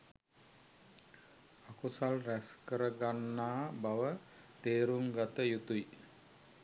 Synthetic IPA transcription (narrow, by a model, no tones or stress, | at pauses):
akusalræskəɾəɡanːaːbaʋə | t̪eːɾuŋɡat̪əjut̪uj